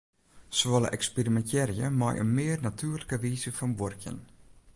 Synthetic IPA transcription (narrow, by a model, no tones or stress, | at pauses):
soɔlə̰ʔɛkspirimɛntɛrjəmɔ̰jʔə̰nmɪərnatʰyːrləkəʋiːzəfɔnʋorkʰjə̰n